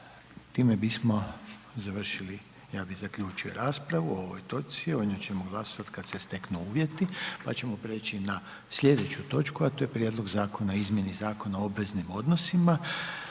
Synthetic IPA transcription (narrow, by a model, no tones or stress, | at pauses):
t̪iːmebismo̞zaʋr̩ʃili | jaːbizakʎʲuːt͡ʃijo̰ɾaːspɾaʋuoʋojt̪o̞sio̞d̪ɲot͡ɕe̞moɡlˠasoʋat̪kat̪se̞st̪e̞knuuːʋje̞t̪ipa̰t͡ʃe̞mo̞pɾe̞ːt͡ʃina | sʎʲe̞d̪e̞t͡ɕut̪o̞t͡ʃkuat̪o̞ːjepɾʲjed̪lˠo̞ɡzaːko̞naizmje̞nizaːko̞naoobʋe̞znimo̞d̪nosima